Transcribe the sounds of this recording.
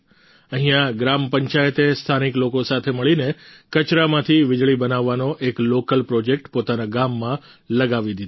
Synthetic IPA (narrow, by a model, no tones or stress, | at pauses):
əɦĩjãɡɾampəɲt͡ʃajət̪est̪ʰaniklokosat̪ʰeməɭinekət͡ʃɾamãt̪ʰiʋɪd͡ʒɭibənaʋːanoʔeklokəlpɾod͡ʒek̚ʈpot̪anaɡamːã | ləɡaʋid̪id̪